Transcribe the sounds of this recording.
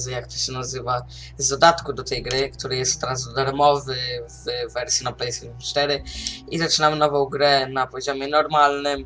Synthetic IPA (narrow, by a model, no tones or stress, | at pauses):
zɛjakt̪ɔ̥ɕɛnazɘva | zd̪ɔd̪at̪kud̪ɔt̪ɛjɡɾɘkt̪uɾɘjɛst̪t̪ːɛɾazd̪ɔd̪aɾmɔvɘvvɛɾsʲjinɔplɛjsimt͡ʂt̪ɛɾɘizat͡ʂɘnamɘnɔvɔ̃w̃ɡɾɛnapɔʑɔmʲjɛnɔɾmalnɘm